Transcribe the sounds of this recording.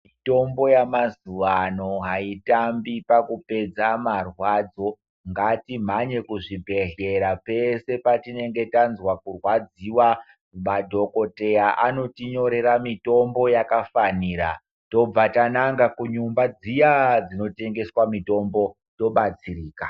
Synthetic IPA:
mito̞mbo̞jamazuʋano̞ɦaitambipakupe̞d͡zamarwad͡zo̞ | ŋɡatim̤aɲe̞kuʐibʱe̞ɮe̞ɾape̞se̞patine̞ŋɡe̞tanzwakurwad͡ziwa | madʱo̞ko̞te̞jaʔano̞tiɲo̞ɾe̞ɾamito̞mbo̞jakafaniːɾa̰ | to̞b͡vatanaŋɡakuɲumbad͡zijad͡zino̞te̞ŋɡe̞swamito̞mbo̞ | to̞ɓat͡siriːka

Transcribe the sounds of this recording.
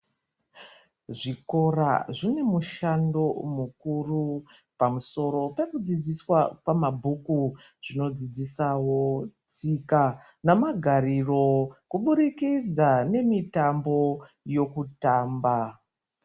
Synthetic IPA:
ʐiko̞ra̰ʐine̞muʃando̞mukurupamuso̞ɾo̞pe̞kud͡zid͡ziswakwamabʱuku | ʐ̥ino̞d͡zid͡zisawo̞t͡sika | namaɡʱariro̞kuɓuɾikid͡zane̞mitambo̞ | jo̞kutaːmba

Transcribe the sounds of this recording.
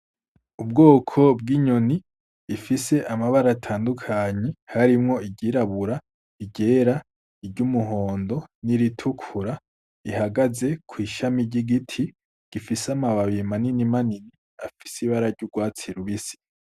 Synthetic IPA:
ub̚ɡoːkʰo̞b̚ɡiɲo̞niː | fise̞ʔamaβaɾatʰaːndukʰaɲe̞haɾimŋo̞iɟiːɾaβuɾa | iɟe̞ːɾa | iɾɟumuɦo̞ːndo̞niɾitʰukʰuɾa | ihaɡaze̞kʰwiːʃamiɾɟiɡitʰi | ɡ̥ifisamaβaβimaninimanini | afi̥siβaɾaɾɟuɡwaːt͡siɾuβisi̥

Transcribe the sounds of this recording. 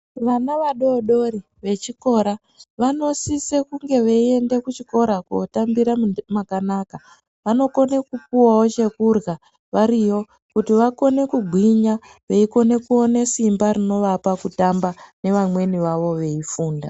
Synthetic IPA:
ʋanaʋaɗo̞ɗo̞ɾi | ʋe̞t͡ʃiko̞ɾa | ʋano̞sise̞kuŋɡe̞ʋeie̞nde̞kut͡ʃiko̞ɾako̰tambiɾamakanaka | ʋano̞ko̞ne̞kup̚uwawot͡ʃe̞kurɣa | ʋaɾijo̞ | kutiʋako̞ne̞kuɡʱwiɲa | ʋe̞iko̞ne̞kuo̞ne̞simbaɾino̞ʋapakutambane̞ʋamwe̞niʋaʋo̞ʋe̞ifuːnda

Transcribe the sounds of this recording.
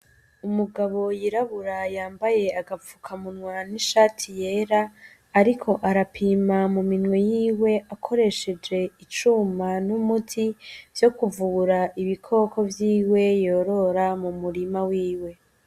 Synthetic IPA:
umuɡaβo̞jiɾaβuɾajaːmbaje̞aɡafu̥kʰamunŋwaniʃaːtʰije̞ːɾaː | ɾikʰo̞ʔaɾapʰiːmamuminwejiːwe̞ʔakʰo̞ɾe̞ʃe̞d͡ʒe̞it͡ʃumanumutʰiv̥jo̞kuvuɾaʔiβikʰo̞ːko̞vjiːwe̞jo̞ːɾo̞ɾamumuɾimawiːwe̞

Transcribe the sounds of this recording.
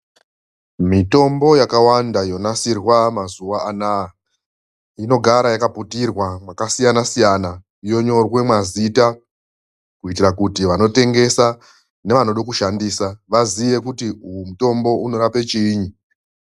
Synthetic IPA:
mito̞mbo̞jakawandajo̞nasirwamazuʋaana | ino̞ɡʱaɾajakaputirwamwakasijanasijana | jo̞ɲo̞rwe̞mwazita | kuitirakutiʋano̞te̞ŋɡe̞sa | ne̞ʋanoɗokuʃandiːsaʋaziʋe̞kutiujumuto̞mbo̞uno̞ɾape̞t͡ʃiːɲi

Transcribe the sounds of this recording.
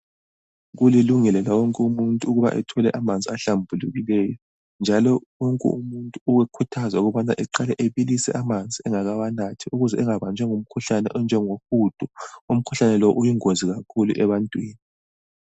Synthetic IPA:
ɣuliluŋɛlɛlawɔŋkʼɛumuntʼuːɣuβa̰ʔɛ̰tʰɔlɛʔamand͡zʱiaɬambʱuluɣilɛjɔ | nd͡ʒʱalɔwɔŋkʼɛ̰umuntʼuuwɛkʰutʰazauɣuβana̰ʔɛǃalɛʔeβilisɛ̰ʔamand͡zʱiɛŋaɣawanatʰiuɣuzɛɛŋaβand͡ʒʱɛŋum̩kʰuɬanɛʔɔnd͡ʒʱɛŋoxud̥ʱɔum̩kʰu̥ɬanɛlɔʔujiŋoziɣakʰulṵʔɛβantʼwiːni

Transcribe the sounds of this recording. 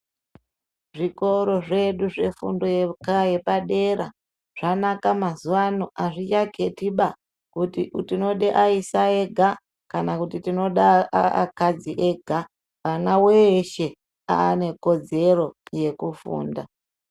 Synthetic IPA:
ʐiko̞ɾo̞ʐe̞ɗuʐe̞fṵndo̞jekaje̞paɗe̞ɾa̰ | ʐ̥anakamazuwanoʔaʐit͡ʃaɡʱe̞tiɓa | kutiʔutino̞ɗeʔaisaeɡʱa | kanakutitino̞ɗaa̰kad͡ziʔeɡʱa | ʋanaweʃe̞ | a̰ːne̞ko̞d͡ze̞ɾo̞je̞kufṵːnda

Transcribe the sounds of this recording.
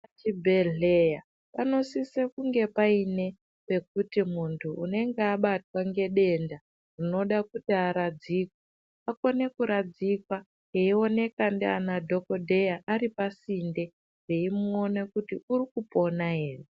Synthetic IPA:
at͡ʃibʱe̞ɮeja | pano̞sisekuŋɡe̞paine̞ | pe̞k̚utimuntʰuune̞ŋɡeaɓatwaŋɡe̞ɗe̞nda | rino̞ɗakutiaɾad͡ziːkwa | ako̞ne̞kuɾad͡zikwa | ɦeio̞ne̞kandeanadʱo̞ko̞dʱe̞jaʔaɾipasinde̞ | reimuo̞nekutiurikupo̞naɦe̞ːre

